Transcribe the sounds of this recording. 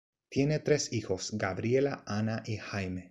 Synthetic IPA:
t̪je̞ne̞t̪ɾe̞sixo̞sɡaβɾje̞laʔanaʔixajme

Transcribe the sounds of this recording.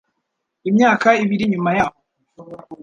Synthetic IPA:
imɲaːkaiβiɾiɲumajaho

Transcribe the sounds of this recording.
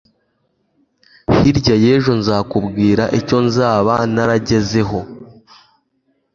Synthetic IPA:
hiɾɟaje̞ːʒunzaːkubɡiːɾaʔico̞nzaːβanaɾaɟe̞ze̞ɦo̞

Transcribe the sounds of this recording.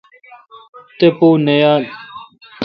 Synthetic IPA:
t̪epunejaː

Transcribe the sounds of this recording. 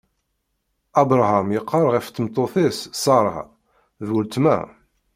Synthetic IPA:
ɑbɾˤhamjəqʰːɑɾˤʁəft̪ːəmt̪ˤːoθɪssɑɾˤɑ̰ | ðwəlt̪mæ̰

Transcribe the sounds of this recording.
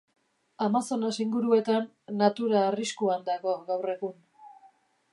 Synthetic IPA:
amaso̞nesiŋɡuɾue̞t̪anː | at̪uɾaːriskuand̪aɣo̞ɣawre̞ɣun

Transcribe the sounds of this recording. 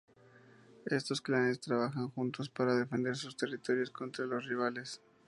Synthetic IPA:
e̞st̪o̞sklane̞st̪ɾaβaxaŋxunt̪o̞spaɾaðe̞fe̞nd̪e̞ɾsust̪e̞rit̪o̞ɾjo̞sko̞nt̪ɾalo̞sriβ̞ale̞s

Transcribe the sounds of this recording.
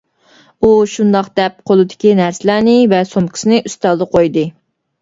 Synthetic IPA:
uʃund̪ɑqd̪ɛp̚qʰolˠɨd̪ɪ̥kʲinæɾsɪlæɾnɪvɛsomkʰʲi̥sɨnɨʔyst̪ɑlˠdəqʰojd̪ɨ

